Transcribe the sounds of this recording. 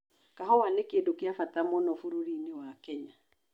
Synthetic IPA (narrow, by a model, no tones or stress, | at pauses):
kaɦɔwanekedokeafatamɔnɔfuɾoɾinewakɛɲa